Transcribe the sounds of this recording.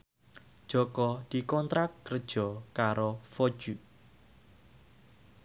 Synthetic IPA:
d̥ʒ̥ɔ̤kɔd̪̥i̤kɔnt̪ɾak̚kər̥ʒ̥ɔ̤kaɾofod̥ʒ̥uʔ

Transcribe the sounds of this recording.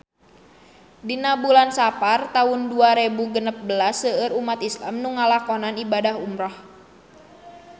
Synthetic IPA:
dinabulansapart̪aʊnduaɾebuɡənəp̚bəlasəəɾumat̪islamnuŋalakɔnanibadahumɾɔh

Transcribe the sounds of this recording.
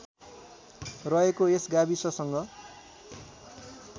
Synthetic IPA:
rʌekoesɡabisʌsʌŋɡʌ

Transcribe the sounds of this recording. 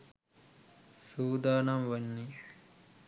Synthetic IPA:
suːd̪aːnɐmʋɐnːi

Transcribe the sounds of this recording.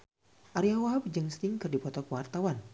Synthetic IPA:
ʔaɾiawaɦabd͡ʒəŋst̪ɪŋkɨrdipɔt̪ɔkəwart̪awan

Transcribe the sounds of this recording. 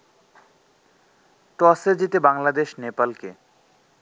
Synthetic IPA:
ʈɔseɾd͡ʑit̪ebaŋlad̪eʃnepalke

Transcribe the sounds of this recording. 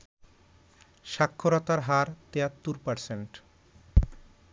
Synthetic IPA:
ʃakʰːoɾɔt̪aɾɦaɾt̪eat̪ːuɾpaɾseɳʈ

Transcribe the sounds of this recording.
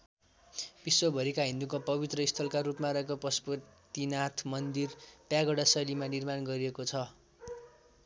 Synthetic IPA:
b̥iswʌbʱʌɾikaɦĩnd̪ukapʌbit̪rʌist̪ʰʌlkaɾupmaɾʌɦekoprʌspʌt̪inat̪ʰmʌnd̪irpjaɡʌɽasʌlimanirmanɡʌɾiekot͡sʰʌ

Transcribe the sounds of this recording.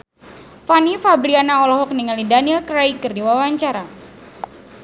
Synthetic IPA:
fanifabɾianaɔlɔɦɔk̚niŋalidanilkɾaikərdiwawaɲt͡ʃaɾa

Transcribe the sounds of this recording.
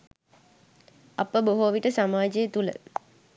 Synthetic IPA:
ɐpəboɦoʋiʈəsamaːd͡ʒejət̪ulə̰

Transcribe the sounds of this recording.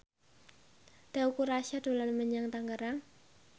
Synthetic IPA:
d̪̥aukuɾaʃad̪̥o̤lanməɲaŋt̪aŋɡəɾaŋ

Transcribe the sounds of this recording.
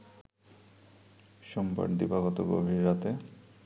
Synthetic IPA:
ʃɔmba̰ɾd̪ibaɡɔt̪oɡo̰bʱiɾːat̪e

